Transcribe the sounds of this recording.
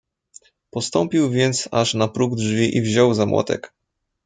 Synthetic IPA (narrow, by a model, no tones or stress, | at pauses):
pɔst̪ɔmpʲiwvʲjɛnt̪saʂnapɾuɡdʐvʲiʔivʑɔwzamwʔɔ̰t̪ɛ̰k